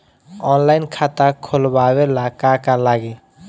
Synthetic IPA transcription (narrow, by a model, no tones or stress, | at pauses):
ɔnlaɪnkʰat̪akʰolbawelakakalaɡe